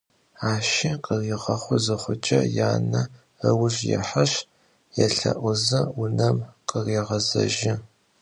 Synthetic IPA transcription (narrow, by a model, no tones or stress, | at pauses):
aːʃɪqʼəriːʁɐχʷʊzɨχʷʊt͡ʃʼɐ̰jaːnɐ | əwʊɕjɛ̰ħaɕ | jɛɬɐ̰ʔʷʊzɐʊnɐmqʼəriːʁɐzɐ̰ʒɪ